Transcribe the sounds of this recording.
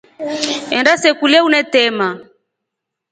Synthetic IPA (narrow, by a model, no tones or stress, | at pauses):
ɛndasɛkuliaunɛtɛma